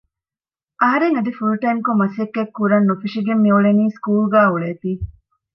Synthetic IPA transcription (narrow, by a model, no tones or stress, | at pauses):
ʔɐɦɐɾeŋɐd̪ifulʈɐjmkomɐsekːekːuɾɐnːufiʂiɡemːiuɭeniːskuːlɡæːuɭeːt̪iː